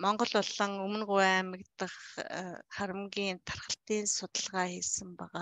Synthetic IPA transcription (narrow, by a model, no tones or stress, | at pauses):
mɔɴɢɞ̆ɮʊɮə̆ŋɵmɵ̆nɢʊæmɪ̆kt̪ə̆χ | χaɾə̆mɡʲiːnt̪ʰarχə̆ɬt̪iːnsʊt̪ə̆ɮʁaːxiːsɘ̆mpæʁaː